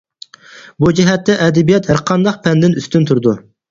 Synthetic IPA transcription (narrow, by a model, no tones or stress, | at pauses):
bud͡ʒɛɦɛt̪ːɛʔɛd̪ɛbijɛt̪hæɾqʰɑnd̪ɑqpʰɛnd̪ɪnyst̪ynt̪ʰuɾd̪u